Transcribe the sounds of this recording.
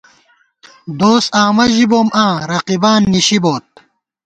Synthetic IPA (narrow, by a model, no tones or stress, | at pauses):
d̪oːsaːmɐʑiboːmãːɾɐqibaːnːiɕiboːt̪̚